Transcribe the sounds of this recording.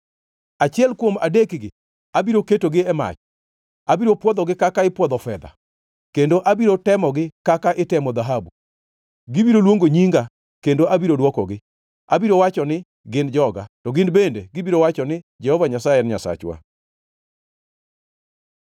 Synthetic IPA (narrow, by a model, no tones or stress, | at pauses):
at͡ʃɪɛlkwoma̰dekɡɪ | abiɾoketoɡɪɛma̰t͡ʃ | abiɾopwɔd̪ɔɡɪkakaɪpwɔd̪ɔfɛd̪a̰ | kendoʔabiɾotɛmɔɡɪkakaʔɪtɛmɔd̪aɦabu | ɡɪbiɾolwoŋɡoɲiŋɡa | kendoʔabiɾodwɔkɔ̰ɡɪ | abiɾowat͡ʃɔnɪ | ɡɪnd͡ʒɔɡatɔɡɪnbendeɡɪbiɾowat͡ʃɔnɪ | d͡ʒɛhɔvaɲasajɛɾɲasa̰t͡ʃwa̰